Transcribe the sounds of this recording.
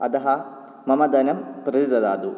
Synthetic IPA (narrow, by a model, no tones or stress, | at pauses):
ɐd̪ɐɦɐ | mɐmɐd̪ɐnɐmpɾɐdid̪ɐd̪a̰ːd̪u